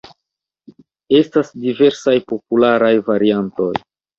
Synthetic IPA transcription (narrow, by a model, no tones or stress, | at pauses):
e̞stasdive̞ɾsajpo̞pulaɾajvaɾianto̞̰j